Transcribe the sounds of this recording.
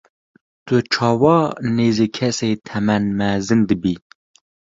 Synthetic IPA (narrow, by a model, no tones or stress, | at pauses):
t̪ɨt͡ʃʰɑːwɑneːzikʰɛset̪ʰɛmɛnmæzɨnd̪ɨbi